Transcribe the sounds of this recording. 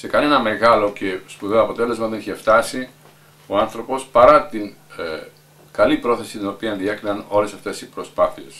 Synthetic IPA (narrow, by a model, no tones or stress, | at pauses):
se̞kɐne̞nɐme̞ɣɐlo̞ce̞spuðeɐpo̞t̪e̞le̞zmɐðeniçeft̪ɐsi | o̞ɐnθɾo̞po̞spɐɾɐt̪iŋ | kɐlipɾo̞θe̞sit̪ino̞piɐnðie̞kɾinɐno̞le̞sɐft̪e̞sipɾo̞spɐθie̞s